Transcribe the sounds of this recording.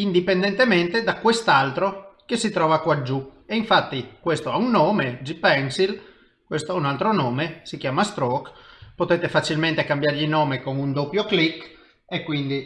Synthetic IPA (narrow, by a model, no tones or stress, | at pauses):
ind̪ipend̪ent̪ement̪ed̪akwest̪alt̪ɾok̟esit̪ɾɔːvakwad͡ʒːueiɱfat̪ːikwest̪oɛunːoːmed͡ʒipɛŋsil | kwest̪oɛunalt̪ɾonoːmesik̟jaːmast̪ɾɔkpot̪et̪efat͡ʃilment̪ekambjaɾʎinɔːmekoŋund̪opːjoklikː | ekːwind̪i